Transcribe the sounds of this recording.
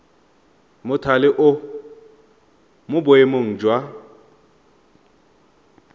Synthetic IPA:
mʊtʰalɪʔʊ | mʊbʊemʊŋ̩d͡ʒwa

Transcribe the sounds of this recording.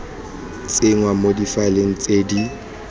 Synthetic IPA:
t͡sʼɪŋwamodifaɪleŋ̩t͡sʼedi

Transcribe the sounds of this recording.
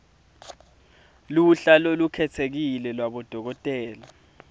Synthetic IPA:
luɬalɔlukʰɛtʰek̬ilɛlwaɓɔd̥ʱɔk̬ɔtʼɛːla

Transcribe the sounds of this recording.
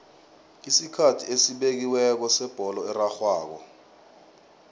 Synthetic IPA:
isikʰatʰiesiɓek̬iwɛk̬ɔsɛb̥ʱɔlɔɛraxwaːk̬ɔ̰

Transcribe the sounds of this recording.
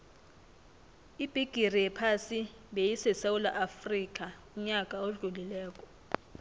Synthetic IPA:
ib̥ʱiɡ̥ʱirijɛpʰasi | ɓejisɛsawula̰ʔafrik̬ʼa | uɲakʼaoɮulilɛːk̬ʼɔ̥

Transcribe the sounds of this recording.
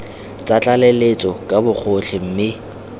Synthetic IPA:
t͡sʼat͡ɬʼalelet͡sʼɔkʼabʊk͡xʰot͡ɬʰɪm̩mɪ

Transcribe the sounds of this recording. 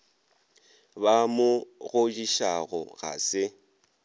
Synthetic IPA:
bamʊɣʊd͡ʒiʃaɣɔ̰ɣa̰sɪ

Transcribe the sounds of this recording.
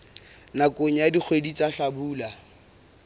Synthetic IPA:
nakʼoɲ̩jadik͡xʰwedit͡sʼaɬabuːla

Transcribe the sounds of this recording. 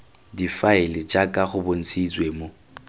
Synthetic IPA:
difaɪlɪd͡ʒakʼaχʊbon̩t͡sʰit͡sweːmo

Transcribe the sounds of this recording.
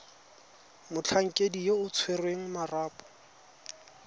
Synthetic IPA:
mʊt͡ɬʰaŋ̩kʼedijeʊt͡sʰwerweŋ̩maraːpʼɔ̥

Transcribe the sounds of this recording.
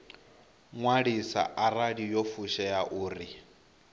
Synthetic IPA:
ŋwaɺisa̰ʔaraɺijofuʃɛjaʔuːri

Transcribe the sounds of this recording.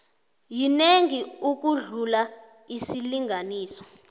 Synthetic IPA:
jineŋiuk̬uɮula | isiliŋɡʱaniːsɔ̥

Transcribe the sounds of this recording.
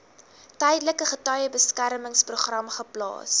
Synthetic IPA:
tɛjdələkəχətœjəbəskærməŋspruχrɐmχəplɑ̰ːs

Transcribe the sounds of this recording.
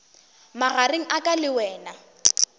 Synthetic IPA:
maɣaɾeŋ̩ʔakʼalɪwɛːna

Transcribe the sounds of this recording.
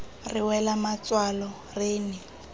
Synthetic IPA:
rɪwɛlamat͡swalɔ | rɪːnɪ

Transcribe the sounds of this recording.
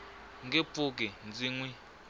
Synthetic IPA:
ŋɡep̪fuk̬ind͡ziːŋwi

